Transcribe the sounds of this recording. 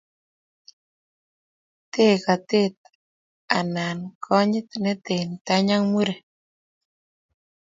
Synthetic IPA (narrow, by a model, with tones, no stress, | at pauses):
t̪e˦˨ka˨t̪e˦t̪̚ | a̰˨na˨nkʰɔ˦ɲɪ˦t̪nɛ˦t̪e˨nt̪a˦ɲa˦ŋmu˦ɾe˨